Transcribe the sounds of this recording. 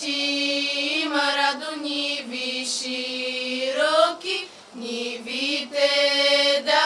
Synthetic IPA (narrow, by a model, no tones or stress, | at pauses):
i | maɾad̪uɲiviʃi | ɾɔki | ɲiβitɛd̪a